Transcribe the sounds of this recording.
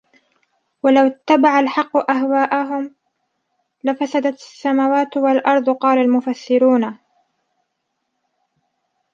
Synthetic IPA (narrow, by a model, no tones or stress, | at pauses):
walawɪt̪ːabaʕalħɑqːʊʔaɦwaːʔaɦʊm | lafasad̪at̪asːamaːwaːt̪walʔɑɾˤd̪ˤʊqɑːlalmʊfasːɪɾuːna